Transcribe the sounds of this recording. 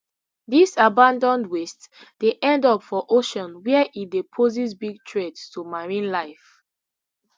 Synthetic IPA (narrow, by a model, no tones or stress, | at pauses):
disabãndɔ̃ndwest | d̥eʔɛ̃ndɔpfɔʔoʃɔ̃nwɛɛʔit̚depʰozisbiɡ̚tʰɹedstumaɹĩnlaɪf